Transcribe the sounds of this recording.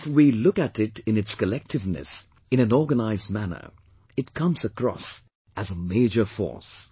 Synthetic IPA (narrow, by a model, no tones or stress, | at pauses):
ɪfwilʊkɨɾɪɾɨ̃nɨtskɨlɛk̚tʰɨvnɨ̰s | ɨ̃ñɨ̃nɔɹɡənaɪzd̚mænə̰˞ | ɨt̚kʰʌ̃mz̥əkʰɹ̥ɔ̰s | ʔɨzəmeɪd͡ʒə˞fɔ̰ɹs